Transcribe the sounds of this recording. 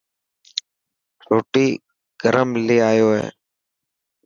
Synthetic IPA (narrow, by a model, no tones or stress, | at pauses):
ɾoːʈiː | ɡ̥əɾəmleːaːjoːɦḛː